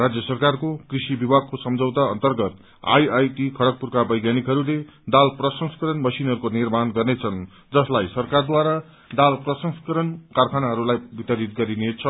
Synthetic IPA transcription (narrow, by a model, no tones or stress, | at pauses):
rad͡zjʌsʌrkarkokrisibibʱaɡ̚kosʌmd͡zʌwt̪aʌ̰nt̪ʌrɡʌt̪ | a̰jajʈikʰʌɽʌk̚purkabʌjɡjanikɦʌɾuled̪alprʌsʌŋskʌɾʌnbʌsinɦʌɾukonirmanɡʌrnet͡sʰʌn | d͡zʌslajsʌrkard̪waɾa | d̪alprʌsʌŋskʌɾʌnkarkʰanaɦʌɾulajbit̪ʌɾit̪̚ɡʌɾinet͡sʰʌ